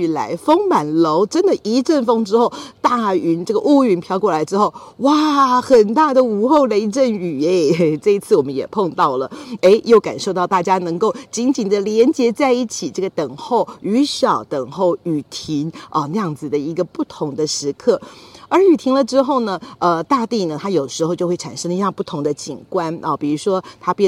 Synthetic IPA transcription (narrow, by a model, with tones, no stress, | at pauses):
la˧˥ɪfɤ˥ŋma˨˩nlo˧˥ʊʈ͡ʂə˦˥nd̪ə˨ʔi˧˥ʈ͡ʂə˥˩nfɤ˥ŋʈ͡ʂɻ̩˥xo˥˩ʊt̪a˥˩y˧˥nʈ͡ʂɤ˥˩ɡə˨ʔu˥˧y˧˩npʰjɑ˧˥ʊkwɔ˥˩la˧˥ɪʈ͡ʂɻ̩˥xo˥˩ʊwa˥˩xə˨˩nt̪a˥˩d̪ə˩u˧˥xo˥˩ʊle˧˥ɪʈ͡ʂə˥˩ny˨˩e˧˩ɪʈ͡ʂɤ˥˧i˧t͡sʰɹ̩˥˩wɔ˨˩mə˦njɛ̰˨˩pʰɤ˥˧ŋt̪ɑ˥˩ʊlə˩e˥ɪjo˥˩ʊka̰˨˩nʂo˥˧ʊt̪ɑ˥˧ʊt̪a˥˩t͡ɕja˥nɤ˧˥ŋko˥˩ʊt͡ɕi˧˥nt͡ɕi˨˩nd̪ə˦ljɛ˧˥nt͡ɕjɛ˧˥t͡sa˥˧ɪi˥˩t͡ɕʰi˨˩ʈ͡ʂɤ˥˩ɡə˩t̪ə˨˩ŋxo˥˩ʊy˧˥ʂɑ˨˩ʊt̪ə˨˩ŋxo˥˩ʊy˨˩t̪ʰi˧˥ŋʔə˧nə˥˧jɑ˥˩ŋd͡zɹ̩˨˩d̪ə˩i˧˥ɡə˧pu˥˩t̪ʰʊ˧˥ŋd̪ə˧ʂɻ̩˧˥kʰɤ˥˩ə˞˧˥y˨˩t̪ʰi˧˥ŋlə˧ʈ͡ʂɻ̩˥xo˥˩ʊnə˩ə˧t̪a˥˧t̪i˥˩nə˩t̪ʰa˥jo˨˩ʊ˩ʂɻ̩˧˥xo˥˧ʊt͡ɕjo˥˧xwe˥˩ɪʈ͡ʂʰa˨˩nʂə˥ŋ˧˩jɑ˥˧ŋpu˥˩t̪ʰʊ˧˥ŋd̪ə˧t͡ɕḭ˨˩ŋkwa˥nɐ˨˩pi˨˩ɻu˧˥ʂwɔ˥t̪ʰa˥pjɛ˥˨